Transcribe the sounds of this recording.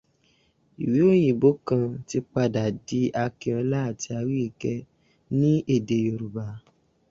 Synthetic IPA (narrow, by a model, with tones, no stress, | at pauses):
i˨wi˨˦o˦j̃ĩ˨bo˨˦kã˧ti˧k͡pa˧da˨di˨˦ʔa˧ke˧ɔ̃˧la˦˨ti˧a˧wi˦i˨kɛ˧ | nĩ˦ʔe˦˨de˧jo˧˨ɾu˨ba˧˦